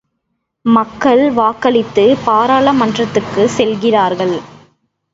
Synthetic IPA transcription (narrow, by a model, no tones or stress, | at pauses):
mɐkːɐɭʋaːkɐɭɪt̪ːɯpaːɾaːɭɐmɐndrɐt̪ːɯkːɯsɛlɣɪraːɾɣɐɭ